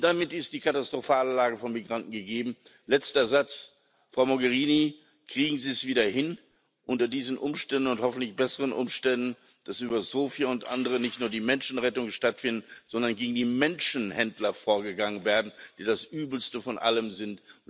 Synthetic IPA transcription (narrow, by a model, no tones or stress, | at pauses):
d̥amɪtɪst̚d̥iːkʰatastʁ̥ofaːləlaːɡəfɔnmiɡʁantn̩ɡəɡeːbm̩lɛt͡stɐzat͡s | fʁ̥aʊmoɡɛʁiːni | kʁ̥iːɡŋ̩ziːəsv̥iːdɐhɪn | ʔʊntɐdiːzn̩ʔʊmʃtɛndn̩ʊnthɔfn̩tlɪçb̥ɛsəʁənʔʊ̰mʃtɛndn̩ | d̥asʔyːbɐzoːfjaʊntʔa̰ndəʁənɪçtnuːɐdiːmɛnʃn̩ʁɛtʊŋənʃtatfɪndn̩z̥ɔndɐnɡeːɡŋ̩diːmɛnʃn̩hɛndlɐfoːɐɡəɡaŋənveːɐdn̩d̥iːdasʔyːbl̩stəfɔnʔa̰ləmzɪnt